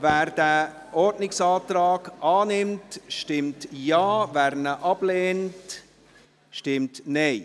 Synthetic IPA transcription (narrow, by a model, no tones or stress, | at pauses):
væːɾd̥æ | ʔɔɾdnɪksɑːtɾɑːɡʔɑːnɪmtʃtɪmtjɑːvæːɾnəʔɑb̥leːnt | ʃtɪmtnɛɪ